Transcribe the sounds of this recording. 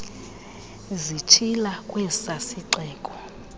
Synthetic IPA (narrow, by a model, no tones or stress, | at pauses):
zit͡ʃʰilakʼwɛsasiǀɛːkʼɔ